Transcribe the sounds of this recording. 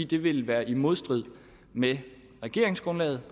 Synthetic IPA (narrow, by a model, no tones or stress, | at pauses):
ḭːd̥e̝ʋe̝lʋæːɐʔimo̝ð̞ˠsd̥ʁið̰ˠ | me | ʁɛɡ̥e̝ɐ̰e̝ŋsɡ̥ʁɔ̽nlɛ̰ːð̞̩ˠ